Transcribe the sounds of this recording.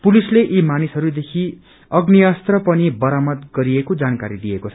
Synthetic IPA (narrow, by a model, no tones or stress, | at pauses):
pulisleʔimanisɦʌɾud̪ekʰi | ʌɡnijʌst̪rʌpʌnibʌɾamʌd̪ɡʌɾiekod͡zankaɾid̪iekot͡sʰʌ